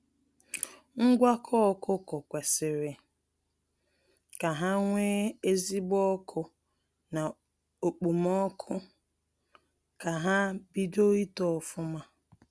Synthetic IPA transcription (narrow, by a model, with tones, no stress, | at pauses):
ŋ̩˦ɡʷa˦kʰɔ˦kʊ˦kʊ˨kʷe˨sɪ˨ɾɪ˨ | ka˨ɦa˦ŋʷeː˦e˦zi˦bɔ˦kʰʊ˦ | na˨ | o˨k͡pu˨mɔ˦kʰʊ˦ | ka˨ɦa˦bi˦do˦i˦tɔ˨fʊ˦ma˦